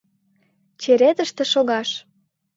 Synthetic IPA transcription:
t͡ɕeɾet̪əʃt̪ĕʃoɣɑʃ

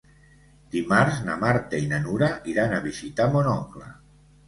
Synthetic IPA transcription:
d̪̥imaɾznamaɾt̪einanuɾaʔiɾanaβizit̪amonɔkla̰

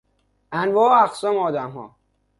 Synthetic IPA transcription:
ænvɒːæxsɒːmɒːd̪æmɦɒ̰ː

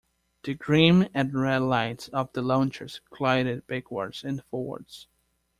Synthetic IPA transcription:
ðɨɡɹĩmɨ̃nɹɛlaɪtsʌvðəlɑ̃ʊ̃nt͡ʃə˞z̥kʰl̥aɪɾɨd̚b̥ɪkʰwɑ̰ɹdsɨ̃nfɔwə̰˞ds

